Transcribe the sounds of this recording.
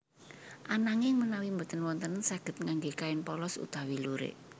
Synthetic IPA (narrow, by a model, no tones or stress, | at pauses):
ʔanaŋɪŋmənawimbət̪ənwɔnt̪ənnsaɡ̥ə̤t̪̚ŋaŋɡekaɪnpɔlɔsṵt̪awiluɾḛʔ